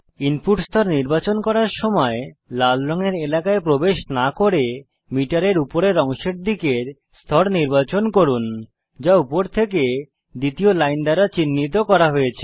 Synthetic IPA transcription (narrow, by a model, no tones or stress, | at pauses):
inpuʈst̪ʰɔɾniɾbat͡ɕonkɔɾaɾʃɔmɔelalɾɔŋeɾelakaepɾobeʃnakoɾe | miʈaɾeɾupoɾeɾɔŋʃeɾ̚d̪ikeɾ | st̪ʰɔɾniɾbat͡ɕonkoɾun | d͡ʑaupoɾt̪ʰeke | d̪it̪iolajnɖ̪aɾat͡ɕinːit̪̬okɔɾaɦojet͡ɕʰe̥